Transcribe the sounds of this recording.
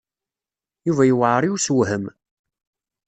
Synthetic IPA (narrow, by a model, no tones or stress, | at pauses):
juvæjuwʕɾˤiuswɦəm